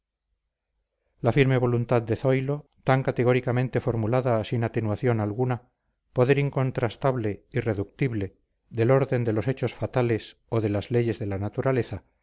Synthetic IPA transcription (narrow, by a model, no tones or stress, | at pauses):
lafiɾme̞βo̞lunt̪aðd̪e̞θo̞jlo̞ | t̪aŋkat̪eɣo̞ɾikamẽ̞nt̪e̞fo̞ɾmulaðasinat̪e̞nwaθjo̞nalɣuna | po̞ðeɾiŋko̞nt̪ɾast̪aβle̞ire̞ðuk̚t̪iβle̞ | ðe̞lo̞ɾðe̞nd̪e̞lo̞se̞t͡ʃo̞sfat̪ales | o̞ðe̞lazle̞ʝe̞zðe̞lanat̪uɾale̞θa